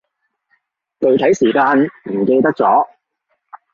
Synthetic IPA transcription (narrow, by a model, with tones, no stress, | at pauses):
t̪ɵ˨ɥt̪ʰɐ˨˥jsiː˨˩kaː˧nm̩˨˩ke˧jt̪ɐ˥k̚t͡sɔː˨˥